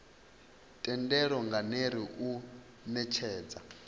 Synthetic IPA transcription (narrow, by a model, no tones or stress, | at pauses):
tʼɛndɛɺɔŋɡaneɾiʔu | nɛt͡ʃʰɛːd͡za